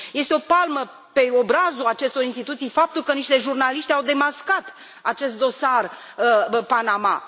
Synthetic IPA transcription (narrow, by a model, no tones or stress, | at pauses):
je̞st̪eo̞palmə | pe̞o̞bɾazulat͡ʃe̞st̪o̞ɾinst̪it̪ut̪sijfap̚t̪ulkəniʃt̪e̞ʒurnaliʃt̪eawd̪e̞maskat̪ | at͡ʃe̞st̪d̪o̞sar | əpanama̰